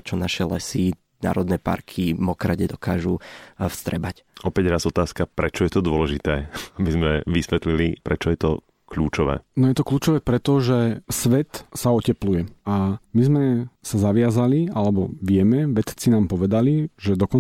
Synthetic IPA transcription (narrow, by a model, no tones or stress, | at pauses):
t͡ʃɔnaʃɛlɛ̰si | na̰ːɾɔd̪nɛpa̰ɾkʰimɔkɾaɟɛd̪ɔka̰ːʒufst̪ɾɛ̰bacɔpɛɟɾazɔt̪aːskapɾɛt͡ʃɔjɛt̪ɔd̪ʊɔlɛʒit̪ɛːabizmɛʋisʋɛt̪lilipɾɛt͡ʃɔjɛt̪ɔ̰ | kʎṵːt͡ʃɔʋɛ̰ːnɔjɛt̪ɔkluːt͡ʃɔʋɛːpɾɛt̪ɔʒɛsʋɛt̪saɔcɛplujɛamizmɛsazaʋɪazalialɛbɔʋɪɛmɛʋɛt̪t͡sinaːmpɔʋɛd̪aliʒɛd̪ɔkɔn